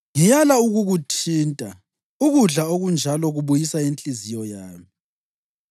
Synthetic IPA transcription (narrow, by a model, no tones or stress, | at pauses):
ŋijalauɣuɣutʰiːntʼa | uɣuɮaoɣund͡ʒʱalɔɣuβujisaent͡ɬʼizijɔjaːmi